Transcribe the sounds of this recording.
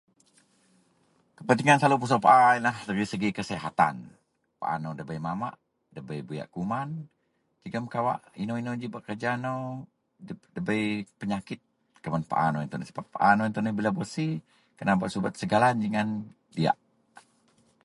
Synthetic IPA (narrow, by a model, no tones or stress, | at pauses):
kə̥pənt̪iŋansalup̬us̬apaʔailahdəɾisəɡikəsəɦat̪a̰n | pa̰ʔa̰nodəbəjmama̰ʔ | dəbəjbuja̰ʔkuman | tiɡəmkawa̰ʔinoinod͡ʒibaʔkərd͡ʒano | dəbəjpəɲakɪt̪̚ | kamanpa̰ʔa̰noint̪ɔnəsə̥bapːaʔanoint̪unəhbilaborsi | kənabaʔsubət̪̚səɡaland͡ʒəŋan | dia̰ʔ